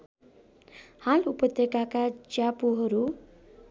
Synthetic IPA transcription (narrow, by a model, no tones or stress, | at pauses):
halupʌt̪jekakad͡ʒapuɦʌɾu